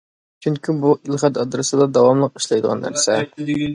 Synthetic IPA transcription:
t͡ʃʰyŋkʲʰibuʔilˠχɛt̪ɑd̪ɾɨsɨd̪ɑd̪ɑwɑmlˠəqi̥ʃlˠɑjd̪əʁɑ̰nːæ̰ɾsɛ̰

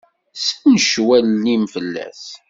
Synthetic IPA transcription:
snəʃwælːimfəlːæ̰θ

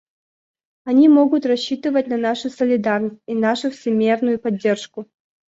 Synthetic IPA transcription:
ɐnʲimoɡʊt̪rɐɕːit̪ɨvət̚ʲnɐnaʂʊsəlʲɪd̪arnəsʲtʲinaʂʊfsʲɪmʲernʊjʊpɐdʲːe̞rʂkʊ

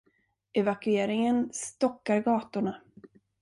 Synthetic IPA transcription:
ʔɛvakɵeːɾɪŋənst̪ɔkːaɾɡɑːt̪ʊɳa

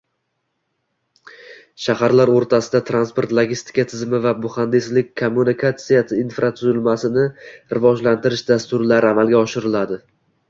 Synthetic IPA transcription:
ʃahaɾlaɾoɾt̪ʰasɪd̪at̪ʰɾanspoɾt̪lˠoɡʲist̪ʰɪ̥kat̪ʰɪzmɪvabʊχand̪ɪslɪk̚ʲkʰomːunɪkʰat̪sijaɪinfɾat̪ʰʊzɪlmasɪnɪɾɪvɒd͡ʒlant̪ʰɪɾɪʃd̪ast̪ʊɾlaɾɪamalˠɡʲaɒʃɪɾɪlad̪ɪ

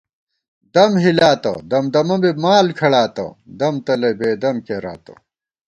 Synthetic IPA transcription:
d̪ɐmɦilaːt̪ɐ̰d̪ɐmd̪ɐmɐmbemaːlkʰɐɽaːt̪ɐ̰d̪ɐmt̪ɐlɐbeːd̪ɐmkeːɾa̰ːt̪ɐ̰

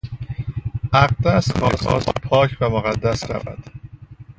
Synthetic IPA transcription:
ʔæɢd̪æsxɒxɒ̰ːst̪pʰɒːcʰbemoɣæd̪ːæsɾæ̰væ̰d̪̥

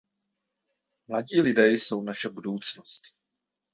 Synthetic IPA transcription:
mlaɟiːlɪdɛjso̞wnaʃɛbudowt͡snost̪

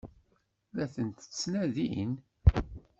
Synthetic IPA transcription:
ðæθənt̪t͡sːnæðḭn

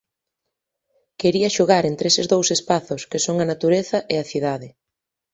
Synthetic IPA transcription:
keɾiɐʃoɣ̞aɾent̪ɾesɪzðowsespaθʊskesoŋɐnat̪uɾeθɐʔeɐθiðaðɪ

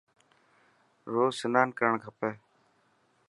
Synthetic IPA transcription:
ɾoːsənaːnkəɾəɳɡʰʱəpeː

